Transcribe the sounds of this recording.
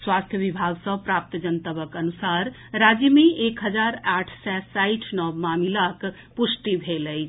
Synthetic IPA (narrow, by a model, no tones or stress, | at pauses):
swast̪ʰjəbibʱaɡsə̃pɾap̚t̪d͡ʒənt̪əbəkənusaɾ | ɾad͡ʒəmeekɦəd͡ʒaɾaʈʰsɛsaiʈʰnɔbmamilak | pusʈibʱelət͡ʃʰ